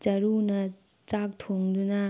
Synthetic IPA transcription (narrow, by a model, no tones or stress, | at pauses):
t͡ʃɐɾunɐ | t͡sak̚t̪ʰoŋd̪unɐ